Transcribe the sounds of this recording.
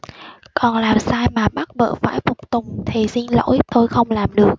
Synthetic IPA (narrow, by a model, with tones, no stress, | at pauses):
kɔ˨˩nlaː˨˩msaː˧jmaː˨˩ɓa˦˥t̚ɓə̰ː˧˨fa̰ː˧˥˩jfʊ˨˩k͡p̚t̪ʊ˨˩ŋ͡mt̪ʰi˨˩si˧nlo̰˧˥jt̪o˧jxə˧wŋ͡mlaː˨˩mɗɨ˨˩ək̚